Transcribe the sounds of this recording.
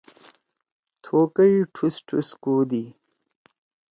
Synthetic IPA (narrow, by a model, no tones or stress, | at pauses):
t̪ʰoːkəjiʈʰusʈʰṵskuːd̪i